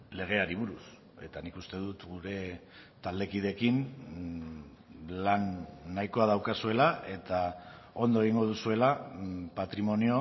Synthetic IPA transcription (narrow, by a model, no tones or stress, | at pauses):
le̞ɣ̞e̞aɾiβ̞uɾus | e̞t̪anikust̪e̞ðut̪ɡuɾe̞ | t̪ald̪e̞kið̞e̞kin | lanːajko̞aðawkasue̞lae̞t̪a | o̞nd̪oe̞ɣiŋɡo̞ð̞usue̞lapat̪ɾimo̞nio̞